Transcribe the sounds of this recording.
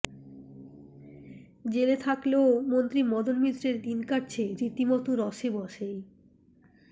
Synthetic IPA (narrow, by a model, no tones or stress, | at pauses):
d͡ʑelet̪ʰakleomont̪ɾimɔd̪olmit̪ːɾeɾd̪inkaʈ̚t͡ɕʰeɾit̪imɔt̪oɾɔʃebɔʃej